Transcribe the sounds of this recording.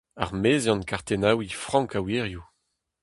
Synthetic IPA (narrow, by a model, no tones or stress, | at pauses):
a̰ʁmeːzɑ̃nkaʁt̪enawifχɑ̃ŋkaweːʁju